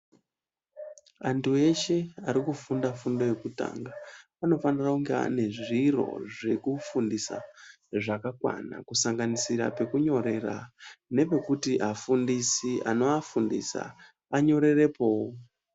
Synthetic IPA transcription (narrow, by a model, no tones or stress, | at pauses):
antue̞ʃe̞aɾikufundafundo̞jekuta̰ŋɡa | ano̞fanirauŋɡea̰ne̞ʐiro̞̰ʐe̞kufundisa̰ | ʐakakwa̰na̰kusaŋɡanisiɾa̰pe̞kuɲo̞ɾe̞ra̰ne̞pe̞kutiʔafundisiʔano̞afundḭsa̰ | aɲo̞ɾe̞re̞po̞wo